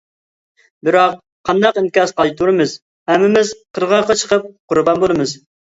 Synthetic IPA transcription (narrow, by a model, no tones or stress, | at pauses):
bɪɾɑq | qʰɑnd̪ɑqinkʲɑzqʰɑlˠt̪ʰuɾɨmɨz | hɛmːɪmɪz̥qʰəɾʁɑɾqɑt͡ʃʰə̥qʰəp̚qʰʊɾbɑnboɾˠɨmɨz